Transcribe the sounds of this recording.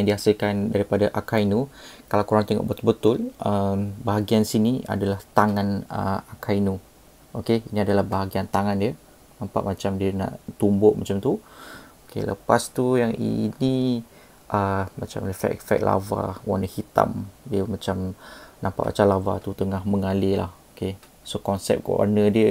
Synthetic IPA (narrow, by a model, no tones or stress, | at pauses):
jaŋdiasilkandaɾipadaʔakainukalawkuɾaŋt̪ɛŋɔ̰ʔ̚bət̪ʊlbət̪ʊlʔəmbaɦaɡiansinia̰dalaht̪aŋãnə̰akʰainu | ʔokeiniadalahbaɦaɡiant̪aŋãndiə | nampa̰ʔmat͡ʃamdiəna̰ʔt̪umbʊʔmat͡ʃamt̪uokḛlə̰past̪ujaŋḭni | ʔəmat͡ʃa̰mləfɛ̰ʔfɛ̰k̚la̰va̰wa̰nəhit̪a̰mdiəmãt͡ʃamnampa̰ʔmʔa̰t͡ʃalava̰t̪ut̪əŋahməŋalela̰hoke | sokɔnsɛ̰p̚ko̰ʔa̰nədiə